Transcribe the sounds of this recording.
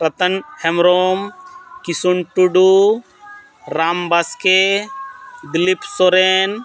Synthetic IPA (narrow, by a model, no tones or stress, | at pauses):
ɾɐt̪ənhemɾoːmkisuɳʈuɖu | ɾaːmbaske | d̪ilipsoɾeːn